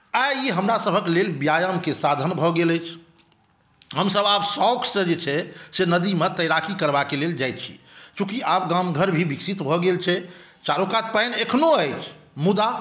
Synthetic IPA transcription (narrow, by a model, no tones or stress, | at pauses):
aiɦəmɾasəbʱəklelbjajəmkesad̪ʱənbʱɔɡeləjt͡ʃʰ | ɦəmsəbabsɔkʰsə̃d͡ʒet͡ʃʰɛsenəd̪imet̪əjɾakʰikəɾbakeleld͡ʒajt̪t͡ʃʰḭt͡ʃũkiab̚ɡamɡʱəɾbʱibiksit̪bʱɔɡelt͡ʃʰɛ | t͡ʃaɾukat̪̚pajnekʰnoəjt͡ʃʰmud̪a